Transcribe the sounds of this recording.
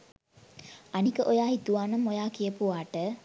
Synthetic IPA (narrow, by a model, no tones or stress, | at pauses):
ʔɐnikəʔojaːɦit̪uʋaːnɐmːojaːkijəpuʋaːʈə